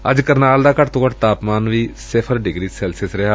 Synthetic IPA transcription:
ə̰d͡ʒkəɾnaːld̪aːkəʈt̪õːkəʈt̪aːpmaːnʋiːsɪpʰəɾɖɪɡɾiːsɛːlsɪsɾɛɦa

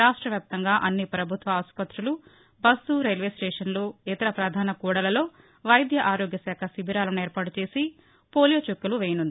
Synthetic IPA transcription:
ɾaːʂʈɾɐʋjaːp̚t̪ɐŋɡaːʔɐnːipɾɐbʱut̪ʋɐɐspɐt̪ɾulu | bɐsuɾɐjlʋeːsʈeːʂɐnloet̪ɐɾɐpɾaːd̪ʱaːnɐkuːɽɐlɐlo̞ː | ʋɐjd̪jɐʔaːɾoːɡjɐsɛːkʰɐsibʱiɾaːlɐnɛːɾpaːʈut͡ʃe̞ːsi | poːlijoːt͡ʃokːɐluʋeːjɐnund̪ii

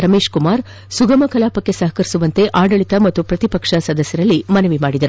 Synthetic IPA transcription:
ɾɐmeːʂkumaːɾ | suɡɐmɐkɐlaːpɐkːe̞sɐɦɐkɐɾisuʋɐnt̪e̞ʔaːɖɐɭit̪ɐmɐt̪ːupɾɐt̪ipɐkʂɐsɐd̪ɐsjɐɾɐlːimɐnɐʋimaːɽid̪ɐɾu

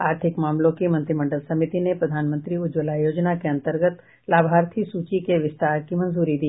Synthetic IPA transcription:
aːɾt̪ʰɪkmaːmlõkimɐ̃nt̪ɾɪmɐ̃ɳɖəlsɐmɪt̪inepɾɐd̪ʱaːnmə̃nt̪ɾiʊd͡ʒolajoːd͡ʒnakeɐ̃nt̪əɾɡət̪ | laːbʱaːɾt̪ʰisuːt͡ʃikeʋɪst̪aːɾkimɐ̃nzuːɾid̪iː

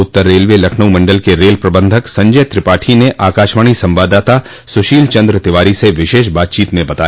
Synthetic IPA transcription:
ʊt̪ːəɾːeːlʋelɐkʰnəwmɐ̃ɳɖəlkeɾeːlpɾɐbə̃nd̪ʱəksɐ̃ɲd͡ʒəjt̪ɾɪpaːʈʰineʔaːkaːʃmaːɳ̃isɐ̃mbaːd̪aːt̪a | sʊʃiːlt͡ʃɐ̃nd̪ɾət̪ɪʋaːɾiseʋɪʃeːʃ̬baːt̪̚t͡ʃiːt̪mẽbɐt̪aːj

